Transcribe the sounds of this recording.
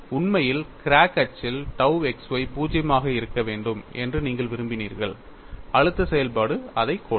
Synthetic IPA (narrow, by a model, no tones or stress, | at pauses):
ʊnmɐjɪlkɪɾaːkːɐt͡ʃːɪlʈɐʊɛksʋɐɪpuːd͡ʒɐjɐmaːɣɐɪɾɯkːɐʋeːɳɖɯmʔɛ̰ndrɯniːŋɡɐɭʋɪɾɯmbɪnḭːɾɣɐɭ | ɐɻɯt̪ːɐsɛjɐlpaːɽɯɐðɐɪkːoː